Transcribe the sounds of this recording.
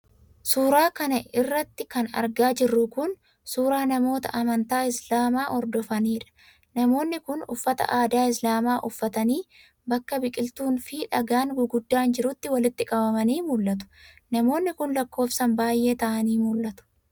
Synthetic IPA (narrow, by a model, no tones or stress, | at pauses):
suːɾaːkɐnɐɪrːɐt̪ːɪkɐnɐ̰ɾɡaːd͡ʒɪrːʊkʊn | suːɾaːnɐmo̞ːt̪ɐ̰ʔɐmɐnt̪aːɪslaːmaːʔɔɾd̪ɔfɐniːᶑɐ̥ | nɐmo̞ːnːɪkʊnʊ̰fːɐt̪ɐ̰ʔaːd̪aːɪs̬laːmaːʔʊfːɐt̪ɐniː | bɐkːɐbɪkʼɪlt̪uːnfiᶑɐɡaːŋɡʊɡʊd̪ːaːnd͡ʒɪɾʊt̪ːɪwɐlɪt̪ːɪkʼɐbɐmɐniːmʊlːɐt̪̬ʊ̥ | nɐmo̞ːnːɪkʊnlɐkːo̞ːfsɐmbaːjʔe̞ːt̪ɐʔɐniːmʊlːɐt̪ʊ̥